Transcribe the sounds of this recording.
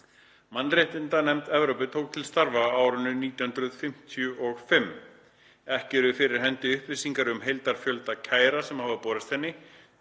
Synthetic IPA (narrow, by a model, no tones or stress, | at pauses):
manːreht̪ɪnt̪anɛmt̪ɛvɾowpʏt̪ʰoːwk̚t̪ʰɪlst̪aɾvaaːwɾʏnʏniːt̪jahʏnt̪ɾʏðfɪm̥t̪ʰjʏʔɔɣfɪm | ɛhcɪɾʏfɪɾɪɾ̥ɦɛnt̪ɪʏhpvɪsiŋkaɾʏmɦejlt̪aɾ̥fjœlt̪acʰaːjɾasɛmhavapɔːðɪst̪ɛnːɪ